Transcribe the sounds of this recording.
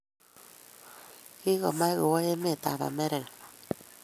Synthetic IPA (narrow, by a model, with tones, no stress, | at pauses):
ki˦ɣɔ˨ma˦ɣo˨wɔ˦je˦me˦˨ta̰˨βa̰˨me˦ɾɛ˨ŋ